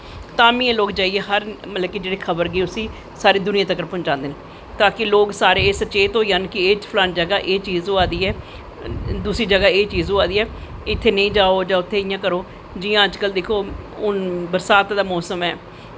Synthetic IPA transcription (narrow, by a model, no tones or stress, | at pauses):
t̪aːmĩːɛ̃ːloːkd͡ʒaːiːɛːɦəɾmət̪ləbkid͡ʒeːɽeːkʰəbəɾɡeːʊsĩː | saːɾeːd̪ʊnɪjãːt̪əkəɾpʊnd͡ʒãːnd̪eːne | t̪aːkɪloːksaːɾeːsət͡ʃeːt̪ɦoːiːaːnkɪeːt͡ʃpʰlaːnd͡ʒəɡaːʔeːt͡ʃiːzoːaːd̪iːɛː | d̪uːsiːd͡ʒəɡaːeːt͡ʃiːzoːaːd̪iːɛːɪt̪ʰːeːnəĩːd͡ʒaːoːd͡ʒãːʊt̪ʰːeːɪjãːkəɾoː | d͡ʒɪːãːəd͡ʒkəld̪eːkʰoːʊnbəɾsaːt̪d̪aːmɔːsəmɛː